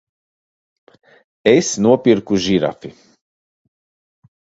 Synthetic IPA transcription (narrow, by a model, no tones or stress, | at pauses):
esnuɔpʲiɾkuʒiɾa̰fi